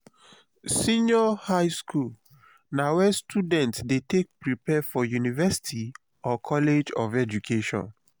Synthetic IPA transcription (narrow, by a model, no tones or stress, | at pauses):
sĩnɔhaɪskul | nawɛstʰudɛ̃ntsdetek̚pɹipɛfɔjunivɛsi̥tʰi | ɔkʰɔled͡ʒɔvɛd͡ʒukʰeʃɔ̰̃n